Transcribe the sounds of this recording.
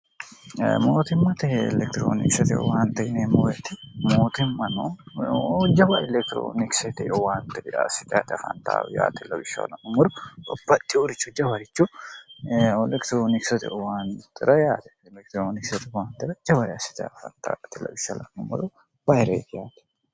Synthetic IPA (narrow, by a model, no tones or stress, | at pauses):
moːt̪ɪmːɐt̪ɛɛlɛk̚t̪ɾo̰ːnɪ̰ksɛt̪ɪɔ̰waːnt̪ɛnemojɛt̪ɪmoːt̪ɪmːɐno | d͡ʒɐbɐɪlɛk̚t̪ɪɾo̰ːnɪksɛt̪ɛʔɔwaːnt̪ɛasɪt̪a̰ːt̪ɪɐfɐnt̪a̰ːja̰ːt̪ɪlɐbɪʃːa̰lɐnːʊmɔɾʊɔbːɐt̪ʼːɪʊɾɪt͡ʃːʊd͡ʒɐbɐɾɪt͡ʃːʊ | ɛlɛkt̪ɾoːnɪksɛt̪ɪ̰ʔɔwaːnt̪ɪɾɐjaːt̪ɛ̥ | lɛkt̪ɾoːnɪksɛt̪ɪwaːnt̪ɪɾɐd͡ʒɐβɐɾasɪ̥t̪ɛɐfɐ̰nt̪a̰ːt̪ɪlɐ̰bɪʃːɐlɐ̰nːʊmːɔɾʊ | bɐjɾḛːt̪ɪjaːt̪ɛ̥